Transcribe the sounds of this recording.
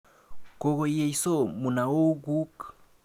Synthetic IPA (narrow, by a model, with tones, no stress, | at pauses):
ko˦˨ɣo˨je˦˨jso˦mu˨na˨o˦ɡu˦k